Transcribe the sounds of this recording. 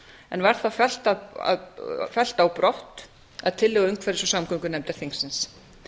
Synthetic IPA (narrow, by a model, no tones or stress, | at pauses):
ɛnvaɾ̥θaðfɛl̥t̪aða̰ðfɛl̥t̪aːwpɾɔht̪ | a̰ðt̪ʰɪlːɛɣaʏŋ̥kʰvɛɾɪsɔsamkœŋkʏnɛmt̪ɪɾ̥θiŋksɪns